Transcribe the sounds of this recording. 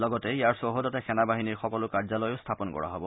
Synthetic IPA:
lɔɡɔtɛjaɹsoɦodɔtɛxɛnabaɦiniɹxɔkɔlʊkaɹzalɔjʊstʰapɔnkɔ̰ɹa̰ɦɔbɔ

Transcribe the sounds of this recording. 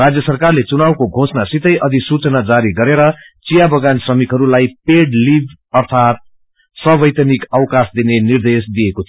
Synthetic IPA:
ad͡zjʌsʌrkarlet͡sunawkoɡʱosnasit̪ʌjʔʌd̪isut͡sʌnad͡zaɾiɡʌɾeɾʌ | t͡sijabʌɡansʌmikɦʌɾulajpeɽlib | ʌrt̪ʰat̪̚ | sʌbʌjt̪ʌnikʌwkasd̪inenird̪esd̪ijeko

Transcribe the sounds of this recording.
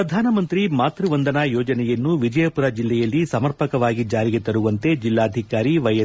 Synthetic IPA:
ɾɐd̪ʱaːnɐmɐnt̪ɾimaːt̪ɾuʋɐnd̪ɐnaːjoːd͡ʒɐnɛjɐnːuʋid͡ʒɐjɐpuɾad͡ʒilːɛjɐlːisɐmɐɾpɐkɐʋaːɡid͡ʒaːɾiɡet̪ɐɾuʋɐnt̪e̞d͡ʒilːaːd̪ʱikaːɾiʋɐjɐ

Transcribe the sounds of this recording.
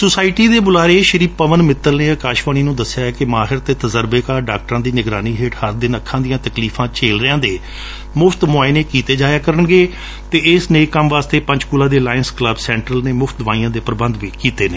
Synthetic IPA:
sʊsaːɪʈiːd̪eːbʊlaːɾeːʃəɾiːpːəʋənmɪt̪ːəlneːəkaːʃʋaːɽ̃iːnũːd̪əsːɪjaːɛːkɪmaːɦɪɾt̪eːt̪əzəɾbeːkaːɾɖaːk̚ʈəɾãːd̪iːnɪɡɾaːniːɦeːʈhəɾd̪ɪnəkʰːãːd̪ijãːt̪əkliːpʰãːt͡ʃʰeːlɾɪãːd̪eː | mʊpʰt̪mʊaːɪneːkiːt̪eːd͡ʒaːjaːkəɾənɡeː | t̪eːɪsneːkːəmʋaːst̪eːpə̃ɲd͡ʒkuːlãːd̪eːlaːjənskləbsɛ̃ːɳʈɾəlneːmʊfʰt̪̚d̪ʋãːĩːãːd̪eːpəɾəbənd̪ʋiːkiːt̪eːneː

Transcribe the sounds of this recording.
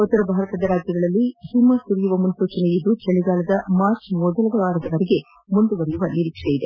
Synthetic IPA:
ɔt̪ːɐɾɐbʱaːɾɐt̪ɐd̪ɐɾaːd͡ʒjɐɡɐɭɐlːihimɐsuɾijuʋɐmunsuːt͡ʃɐnejid̪ːut͡ʃɐɭiɡaːlɐd̪ɐmaːɾt͡ʃmɔd̪ɐlɐɡɐʋaːɾɐd̪ɐʋɐɾeɡe̞ | mund̪uʋɐɾɛjuʋɐniɾikʂejid̪e̞

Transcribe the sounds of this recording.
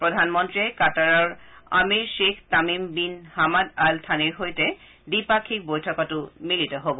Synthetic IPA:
pɹod̪ʱanmɔnt̪ɾiekataɹɔɹa̰miɹʃekʰt̪amimbinhamad̪alt̪ʰaniɹɦojte | dipakʰik̚bojtʰɔkɔtumilit̪ɔɦobo

